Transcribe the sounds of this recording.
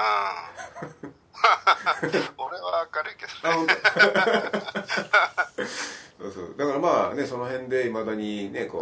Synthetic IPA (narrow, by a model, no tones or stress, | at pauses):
a | oɾeβaakaɾɯikesaːɦont̪a | soːso̰ːd̪akaɾamaːne̞so̞no̞ɦẽ̞nd̪e̞imad̪aɲ̟ine̞ko̰ː